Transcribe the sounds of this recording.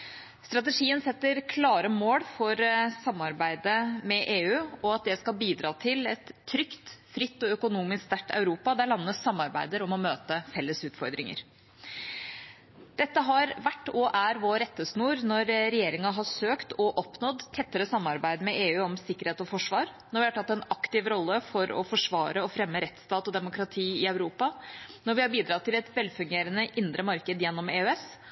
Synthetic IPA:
st̪ɾɑt̪ɛʂiːənsɛt̪ːəɾkʰlɑːɾəmoːɽfɔɾsɑmːɑɾbæɪd̪əmɛʔeːʉːɔɑt̪̚d̪ɛskɑlbiːd̪ɾɑːt̪ʰɪlɛt̪ʰːɾʏkt̪fɾɪt̪ːɔœkʊnuːmɪskst̪æʈːɑ̰ʉɾuːpɑd̪æɭɑnːəsɑmːɑɾbæɪd̪əɾɔmɔmøːt̪əfɛlːəsʉːt̪fɔɾd̪ɾɪŋə̰ɾ | d̪̥ɛt̪ːəɦɑɾʋæʈːɔʔæɾʋoːɾɛt̪ːəsnuːɾnɔɾɾɛjeːɾɪŋɑɦɑʂøːkt̪ɔʔɔpnɔd̪t̪ʰːɛt̪ːəɾəsɑmːɑɾbæɪd̪mɛʔeːʉːɔmsɪkːəɾeːt̪ɔfɔʂʋɑːɾnɔɾʋɪhɑʈʰɑt̪ːɛnɑkt̪ɪʋɾɔlːəfɔɾɔ̰fɔʂʋɑːɾəɔfɾɛmːəɾɛt̪ːst̪ɑːt̪ɔd̪ɛmʊkɾɑt̪ʰiːɪœʉɾuːpɑnɔɾʋɪhɑɾbiːd̪ɾɑt̪ʰːɪlɛt̪ʋɛlːfʉŋɡeːɾənəʔɪnd̪ɾʔəmɑɾkəd̪jɛnːɔmeːøɛs

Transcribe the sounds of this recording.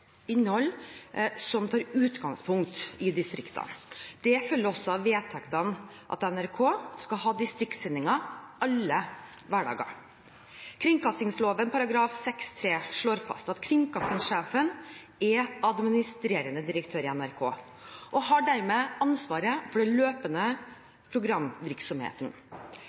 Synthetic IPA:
ɪnːəhɔlː | sɔmt̪ʰɑːɾʉːt̪ɡɑŋspʰʊŋkt̪ɪd̪ɪst̪ɾɪkt̪ʰɑ̰nd̪̥ɛfœlːəɾɔsːɔɑʋeːt̪ʰɛkt̪ɑn | ʔɑ̰t̪ɛnæɾkʰoːskɑɦɑːd̪ɪst̪ɾɪkt̪sɛnːɪŋɑɑlːə | ʋæɖɑ̰ːɡɑ̰ | kʰɾɪŋkɑst̪ɪŋsloːʋənpʰɑɾɑɡɾɑːfsɛkst̪ʰɾeːʂɭoːɾfɑ̰st̪ɑt̪kʰɾɪŋkɑst̪ɪŋʂeːfən | ɛɑd̪mɪnɪst̪ɾeːɾənəd̪ɪɾəkt̪ʰøːɾɪɛnæɾkʰo̰ː | ʔɔɦɑɖæɾmeːɑnsʋɑːɾəfɔɖɛløːpənə | pʰɾʊɡɾɑmʋɪɾksɔmhḛːt̪n̩

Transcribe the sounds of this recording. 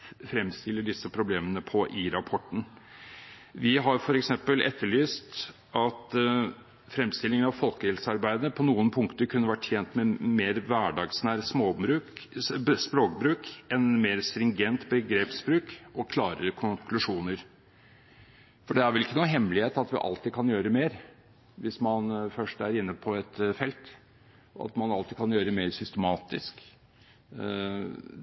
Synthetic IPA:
fɾɛmst̪ɪlːəɖɪsːəpʰɾʊbleːmənəpʰɔʔɪɾɑpʰɔʈːn̩ | ʋɪɦɑɾfɔɾɛksɛmpəlɛ̰t̪ːəɭyːst̪ | ɑt̪ | fɾɛmst̪ɪlːɪŋənɑʋfɔlkəhɪlsəɑɾbæɪd̪əpʰɔnuːənpʰʊŋkt̪əɾkʰʉnːəʋæʈ̪ːʰjeːnt̪mɛmeːɾʋæɖɑːɡsnæːɾsmoːbɾʉː | spɾoːkbɾʉːkɛnmeːɾst̪ɾɪŋɡɛnt̪bəɡɾeːpsbɾʉːkɔkʰlɑːɾəɾəkʰʊŋkʰlʉʂuːnəɾ | fɔɖɛæɾʋɛlɪkːənuːɦɛmlɪheːt̪ɑt̪ʋɪ̰ʔɑ̰lt̪ɪkʰɑnjøːɾəmeːɾ | ʋɪsmɑnfœʂʈæɾɪnːəpʰɔɛt̪fɛlt̪ | ɔ̰ɑ̰t̪mɑnɑlt̪iːkʰɑnjøːɾəmeːɾsʏst̪əmɑːt̪ɪsk

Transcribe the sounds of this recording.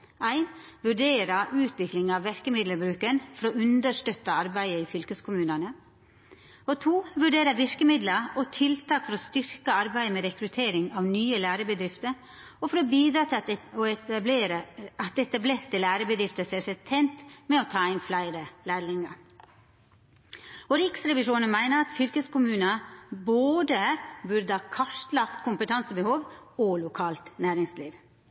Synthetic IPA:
ʔæɪnʋʉɖeːɾəɾʉːt̪ʰʋɪklɪŋɑʋʋɪɾkəmɪd̪ləbɾʉːkənfɔɾoːʔʉnd̪əʂt̪œt̪ːəɑɾbæɪəiːfʏlkəskʰʊmʉːnənə | ɔt̪ʰuːʋʉɖeːɾəʋɪɾkəmɪd̪ləɔt̪ʰɪlt̪ʰɑːkfɔɾɔːst̪ʏɾkəɑɾbæɪmɛɾɛkɾʉt̪ʰeːɾɪŋɑʋnyːəlæːɾəbəd̪ɾɪft̪əɾ | ɔfɔɾobiːd̪ɾɑːt̪ʰɪɔɛb̪eɾəɑt̪ɛt̪ɑbleːɾt̪əlæːɾəbəd̪ɾɪft̪əseːsɛt̪ʰːɛɪnt̪mɛɔt̪ʰɑːɪnflæɪɾəlæːɾlɪŋɑ̰ | ɔɾɪksɾɛʋɪʂuːnənmæɪnəɾɑt̪fʏlkəskʊmʉːnɑboːd̪əbʉɾd̪əhɑːkʰɑʂt̪lɑkt̪kʰʊmpət̪ʰɑnsəbəhoːʋɔlʊkʰɑːlt̪næːɾɪŋslḭːʋ

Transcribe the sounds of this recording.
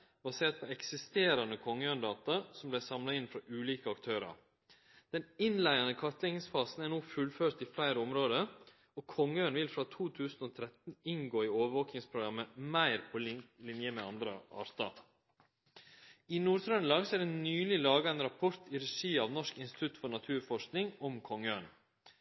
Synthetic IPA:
bɑseːʈ̪̚pʰɔɛksɪst̪eːɾɑnəkʰɔŋːəœːnd̪ɑːt̪ɑsɔmblæɪsɑmlɑɪnfɾɑʔʉːliːkəɑkt̪ʰøːɾɑ̰ɾ | d̪̥ɛnɪnlæɪɑnəkʰɑt̪lɪŋɪŋsfɑːsn̩æɳuːfʉlføːɾt̪ɪflæɪɾəɔmɾoːd̪ə | ɔkʰɔŋːəøːnʋɪlfɾɑt̪ʰuːt̪ʰʉːsn̩oːt̪ʰɾɛt̪n̩ɪŋɡoːɪoːʋəʋoːknɪŋspʰɾʊɡɾɑmːəmæɪɾpʰɔllɪnjəmɛɑnd̪ɾə̰ɑ̰ːɾt̪ɑ̰ | ɪnuːɾt̪ʰɾœnlɑːɡsɔæɖɛnyːlɪlɑːɡɑɛnɾɑpʰɔɾt̪ɪɾɛʂiːɑʋnɔʂkɪnst̪ɪ̥t̪ʰʉt̪fɔɳɑt̪ʰʉːɾfɔʂknɪŋɔmkʰɔŋːəøn

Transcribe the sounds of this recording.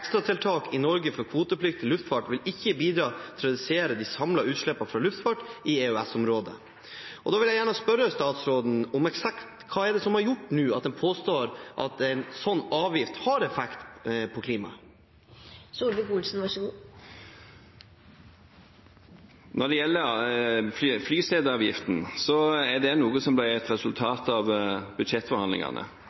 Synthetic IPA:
ɛkst̪ɾɑt̪ʰɪlt̪ʰɑːkʰɪnɔɾɡəfɔɾkʰʋuːt̪əplɪk̚t̪ʰɪlːʉft̪fɑʈʋɪlɪçːəbiːd̪ɾɑːt̪ʰɾɛd̪ʉseːɾəd̪isɑmlɑʉːt̪ʂɭɛpːɑfɾɑlʉft̪fɑʈʔɪeʉæsɔmɾoːd̪ə̰ | ʔɔd̪ɑːʋɪljæɪjæːɳəspœɾəst̪ɑːt̪sɾoːd̪n̩ɔmɛksɑkt̪kʰɑːɛɖɛsɔmhɑɾjʊʈːnʉːɑt̪̚d̪ɛnpʰoːst̪oːɾʔɑ̰t̪ɛɪnsɔnːɑːʋjɪft̪hɑɾɛfɛkt̪pʰɔkʰliːmɑ̰ | suːlbɪkʊlsn̩ʋɑʂəu | nɔɖɛjɛlːəɾfflyːseːd̪əɑːʋjɪft̪n̩sɔɛɖɛnuːɡəsɔmblæːɾɛt̪ɾɛsʉlt̪ʰɑːt̪ɑʋbʉd̪ʂɛt̪fɔɾhɑnd̪ɪ̰ŋɑ̰nə̰

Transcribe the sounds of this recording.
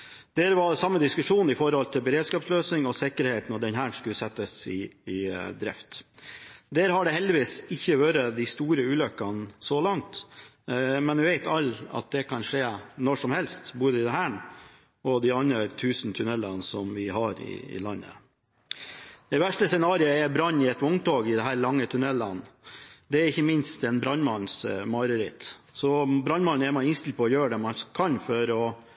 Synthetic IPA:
d̪̥eɾʋɑɾsɑmːəd̪ɪskʉʂuːnɪfɔɾhɔlt̪ʰɪlbəɾeːd̪skɑːpsløːsnɪŋɔsɪkəɾheːt̪n̩ɔd̪ɛnɦæːɳskʉləsɛt̪ːəsɪː | d̪ɾɛ̰ft̪ | d̪eːɾhɑɖɛhɛld̪ɪʋiːsɪçːəʋøːɾəd̪ɪst̪uːɾəʉːlœkːɑnsɔlɑŋt̪ | mɛnʋɪʋeɪt̪ɑlːɑ̰t̪̚d̪ɛkʰɑnʂeːnɔʂɔmhɛlst̪boːd̪əɪd̪ɛɦæːɳ | ɔd̪ɪɑnɾət̪ʰʉːsnt̪ʰʉnɛlːɑnsɔmʋɪɦɑɾɪ̰ɪ̰lɑnːə̰ | d̪ɛʋæʂʈəsɛnɑːɾɪəɛɾbɾɑnːɪɛt̪ʊŋt̪oːɡɪd̪ɛɦæːɾlɑŋːət̪ʰʉnɛlːɑnd̪ɛæɾɪçːəmɪnst̪ɛnbɾɑnmɑnsmɑɾəɾɪt̪ | sɔbɾɑnmɑnːɛɾmɑɪɪnst̪ɪlpʰɔɔjøːɖɛmɑnkʰɑnfɔɾɔ

